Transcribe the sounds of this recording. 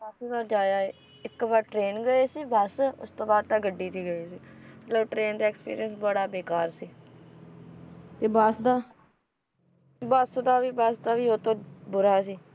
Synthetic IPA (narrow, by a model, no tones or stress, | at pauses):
kaːpʰiːbaːɾd͡ʒaːjaː | ɪkːbaːɾʈɾeːnɡəeːsiːbəsʊ̰st̪õːbaːd̪̚t̪ãːɡəɖːiːt̪iːɡəeːsiːmət̪ləbʈɾeːnd̪aːɛksə̥pḭːɾɪjənsbəɽaːbeːkaːɾsiː | t̪eːbasd̪aː | bəsd̪aːʋiːbasd̪aːʋiːoːt̪õːbʊɾaːsiː